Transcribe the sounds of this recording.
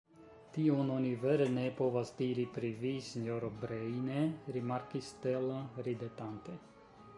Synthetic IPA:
t̪iononiveɾnepo̞vasd̪iɾipɾivisiɲjoɾobɾejneɾimaɾkist̪elaɾid̪et̪ant̪ej

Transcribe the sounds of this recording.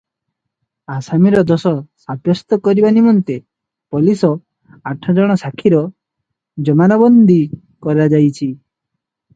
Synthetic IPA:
asamiɾɔd̪ɔsɔsabjɔst̪ɔkɔɾibanimɔnt̪e | pɔlisɔ | aʈʰɔd͡ʒɔɽ̃ɔsakʰiɾɔ | d͡ʒɔmanabɔnd̪ʱi | kɔɾad͡ʒajt͡ʃʰi

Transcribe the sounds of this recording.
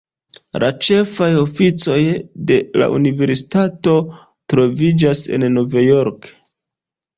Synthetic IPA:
lat͡ʃe̞fajo̞fit͡so̞jde̞la̰ʔṵnive̞ɾsi̥tato̞ | tɾo̞vid͡ʒase̞̰nːovajo̞ɾk

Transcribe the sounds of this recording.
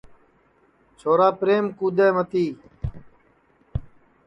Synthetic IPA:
t͡ʃʰoːɾaːpɾeːmkuːd̪eːmət̪iː

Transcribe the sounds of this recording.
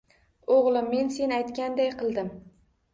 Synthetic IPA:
oʁlˠɪmːe̞nse̞najt̪kʲand̪ajqɨlˠd̪ɪm

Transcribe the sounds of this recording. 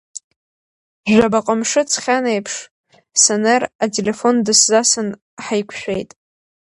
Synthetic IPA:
ʒʷᶣabaqʼəmʂɨt͡sʰχʲanejpʰʂ | saneratʰʼele̞fo̞ndɨszasɨn | ħajkʷʰʃʷᶣejtʼ

